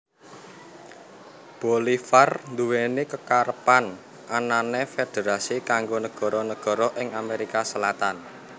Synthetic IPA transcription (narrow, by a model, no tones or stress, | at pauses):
b̥olifarnd̪uwenikəkaɾəpan | ʔananefed̪̥e̤ɾasikaŋɡonəɡ̥ɔ̤ɾɔnəɡ̥ɔ̤ɾɔʔɪŋameɾikasəlat̪an